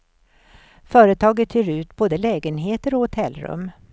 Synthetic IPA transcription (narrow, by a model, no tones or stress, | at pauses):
fœːɾət̪ʰɑːɡət̪ʰːyːɾʉ̟ːt̪boːd̪əlɛːɡənɦeːt̪əɾɔhʊt̪ʰɛlːɾɵ̰mː